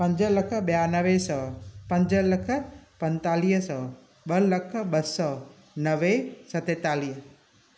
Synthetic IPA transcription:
pɐ̃ɲd͡ʒələkʰəɓjanəʋesəpɐ̃ɲd͡ʒələkʰəpə̃nt̪aːliːɦsə | ɓələkʰəɓəsɔ | nəʋesət̪et̪aːliːɦ

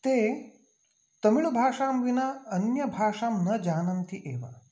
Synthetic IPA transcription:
t̪eː | t̪ɐmiɭubʱaːʂaːmʋinɐɐnjɐbʱaːʂaːmnɐd͡ʒaːnɐnt̪iʔeːʋa̰

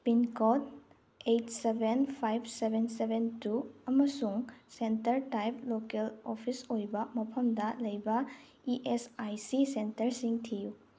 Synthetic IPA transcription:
pinkɔt̚ | ejtsebʱenpʰajpʰsebʱensebʱentuɐmɐsuŋsentɐɾtajp̚lokelopʰisojbɐmɐpʰɐmdɐlɐjbɐ | iʔesajsisentɐɾsiŋtʰiju

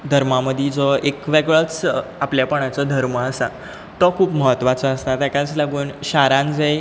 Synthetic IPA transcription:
d̪ʱəɾmaməd̪ʱid͡zɔekʋeɡɭət͡sapljapəɳ̃at͡sɔd̪ʱəɾməəsa̰ | t̪ɔkʰuːpməɦət̪ːʋat͡sɔəst̪at̪akat͡slaɡuːnɕaɾãnd͡zej

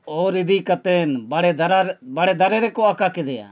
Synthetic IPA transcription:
oːɾɪd̪iːkət̪eːnbəɽeːd̪əɾabəɽeːd̪əɾeːɾeːkoakakɪd̪ea̰ː

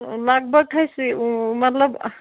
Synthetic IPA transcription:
laɡ̚bəɡɦəjsimət̪ləb

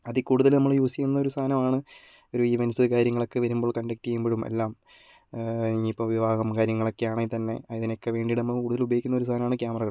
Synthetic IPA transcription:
ɐðikːuːɽuðɐlnɐmːɐɭjuːsikʲːunːɐo̞ɾust̪ʰaːnɐmaːɳɨ | o̞ɾuiːʋɐnɐsɨkaːɾjɐŋːɐɭo̞kːeʋɐɾumbo̞ːɭkɐɳɖek̚ʈːiejumbiɻumḛlːaːm | iipːoːʋiʋaːɣɐmkaːɾjɐŋːɐɭo̞kːejaːɳɐt̪ɐnːe̞̰iðinokːe̞ʋe̞ːɳɖiɽnɐmːɐkuːɽuðɐlubɐjikʲːunːɐo̞ɾust̪aːnɐmaːɳɨkjaːmɐrɐɣɐɭ

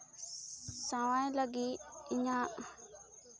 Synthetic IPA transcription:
saːʋãːẽləɡiːɪɲãːʔ

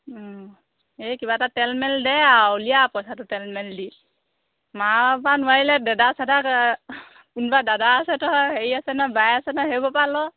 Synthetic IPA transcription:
ekibatatɛlmɛldɛaulijapɔjsatʊtɛlmɛldi | mapanuajlɛdɛdasadak | kunbadadaːsɛtɔɦeɹiasɛnɔbajasɛnɔɦebɔpalɔ

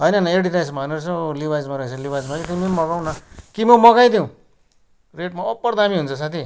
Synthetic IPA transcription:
ɦʌjnʌneɖiɾajsmabʱʌnet͡sʰʌlibajd͡zmaɾʌet͡sʰʌlibajd͡zmakit̪imimʌɣaw̃nʌkimomʌɡajd̪jĩw̃ | reʈmaʌpːʌrd̪amiɦunt͡sʰʌsat̪ʰi

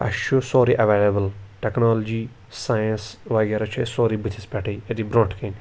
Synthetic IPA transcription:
ɐ̰ʃoːsoːɾiʔɐʋeːləbəlʈɛknaːld͡ʒiː | saːjə̃nsʋaːɡɐɾɐt͡ʃʰesoːɾiːbɪt̪ʰɪspɛʈiːed̪ibɾõːʈkɪ̃ŋ

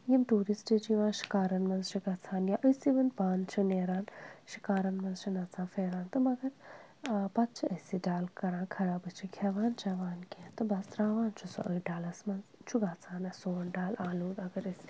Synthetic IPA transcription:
jimʈuːɾisʈid͡ʒiʋãːʃi̥kaːɾɐnmɐnzt͡ʃʰiɡɐt͡sʰaːnjaʔəjsiʋɐnpaːnt͡ʃʰineːɾaːnʃi̥kaːɾɐnmɐnzt͡ʃʰinɐt͡sʰãːfeːɾaːnt̪ɨmɐɡɐɾ | pɐt̪̚t͡ʃʰiʔəsiɖaːlkɐɾãːkʰɐlaːbɨt͡ʃʰikʰʲɐʋaːnt͡ʃɐʋaːnkʲẽːt̪ɨbɐst̪ɾaːʋaːnt͡ʃʰuso̰ʔɐɖaːlɐsmɐnzt͡ʃʰuɡat͡sʰaːnɐsoːnɖaːlaːluːd̪ɐɡɐɾɐs

